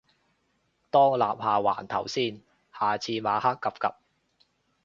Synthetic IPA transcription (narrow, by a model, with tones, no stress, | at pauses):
t̪ɔː˥ŋlaː˨p̚haː˨˩wa̰ː˨˩nt̪ʰɐ˨˩wsiː˥n | haː˨t͡sʰiː˧maː˨˧haː˥kːɐ˨p̚kɐ˨p̚